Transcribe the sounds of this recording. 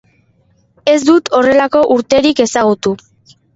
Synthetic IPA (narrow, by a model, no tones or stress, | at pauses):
e̞zd̪ut̪o̞re̞lako̞ʔuɾt̪e̞ɾike̞saɣ̞ut̪u